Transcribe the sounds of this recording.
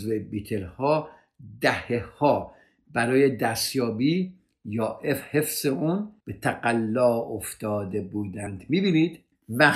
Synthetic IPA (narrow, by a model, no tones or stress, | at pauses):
zvebiːt̪ʰelhɒː | d̪æhehɒː | bæɾɒːjed̪æst̪jɒːbiː | jɒːʔefhefseʔuːnb̥et̪ʰæɡælːɒːoft̪ɒːd̪ebuːd̪ænd̪̥miːbiːniːd̪̥ | mæ